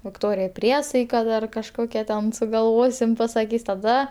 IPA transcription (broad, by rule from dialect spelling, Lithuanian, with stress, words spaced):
ʋʲɪkˈtoːrʲɪjɛɪ ˈpʲrʲiɛsɐɪkɐ ˈdɐr kɐʃˈkoːkʲɛ tʲɛn sʊɡɐlˠˈʋoːsʲɪm pɐsɐˈkʲiːs tɐˈdɐ